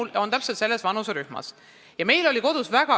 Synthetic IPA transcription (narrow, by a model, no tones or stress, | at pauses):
lo̞nt̪æpset̪se̞lːesvɑnuseɾyhmɑ̰s | jɑme̞jlo̞liko̞d̪̥usvæɡ̥ɑ